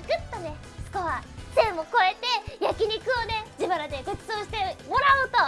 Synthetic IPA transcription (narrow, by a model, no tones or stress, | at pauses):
kɯ̟t̪ːone̞ | sɨ̥koβat̪ẽ̞ɰoko̞e̞t̪e̞jakʲiɲ̟ʲikɯ̟one̞d͡ʑibaɾad̪e̞ɡotɨ̥t͡soɕi̥t̪e̞mo̞ɾaot̪o